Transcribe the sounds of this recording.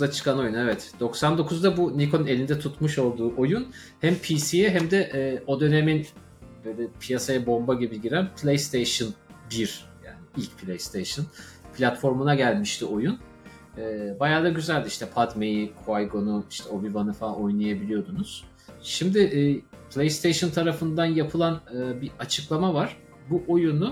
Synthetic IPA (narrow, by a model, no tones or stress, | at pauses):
at͡ʃʰɯ̥kʰano̞junevɛt̪d̪̥o̞ksand̪o̞kʰuzd̪abunikʰone̞lʲind̪ɛt̪ʰut̪muʃo̞lˠd̪uːʔo̞jun | hæmpʰisijɛɦæmd̪ɛʔːʔo̞d̪ø̞ne̞min | bø̞jlʲɛpʰijasajabo̞mbaɟibilɟiɾænpʰlʲejst̪ʰejʃɯn | biɾ | ja̰ːnɪilʲcpʰlʲejst̪ʰejʃɯnpʰlʲat̪fo̞ɾmunaɟælʲmiʃt̪ʰio̞junː | bajaːd̪aɟyzælʲd̪iiʃt̪ʰɛpʰat̪me̞jikʰoajɡo̞nuiʃt̪ʰɛo̞vivanɯfaao̞jnˠajabilʲijo̞d̪unuz̥ | ʃimd̪ɪʔpʰlʲejst̪ejʃɯnt̪ʰaɾafɯnd̪anjapʰɯlˠanɯːbiat͡ʃʰɯklˠamavaɾ̥ | buʔo̞junu